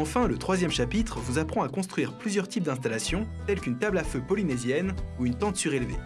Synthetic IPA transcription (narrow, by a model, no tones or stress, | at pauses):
ɑ̃fɛ̃lət̪χwazjɛmʃapit̪χvuzapχɑ̃akɔ̃st̪χɥiʁplyzjœʁt̪ip̚d̪ɛ̃st̪alasjɔ̃t̪ɛlkynt̪ablaføpɔlinɛzjɛnuynt̪ɑ̃t̪syʁelvḛ